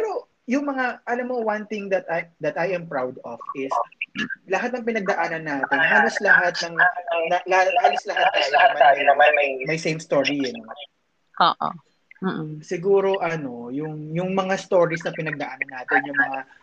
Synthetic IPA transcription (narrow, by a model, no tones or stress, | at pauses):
pɛɾo̞ | jʊŋmɐŋaʔɐlamːowɐnt̪ɪŋd̪ɐt̪ɐjd̪ɐt̪ɐjɛmpɹawd̪ofʔɪs | lɐɦat̪̚nɐŋpɪnɐɡ̚d̪ɐʔaːnɐnːaːt̪ɪnɦaːloslɐɦat̪̚nɐŋʔɐnonɐlahaːloslɐɦat̪̚nɐlɐɡmɐɐamɐjsejmst̪oɹijɐn | ʔoːʔo̰ | m̩ːsɪɡuːɾo̞ʔɐno̞jʊŋjʊŋmɐŋast̪o̞ːɹisnɐpɪnɐɡ̚d̪ɐʔaːnɐnːaːt̪ɪnjʊŋmɐŋa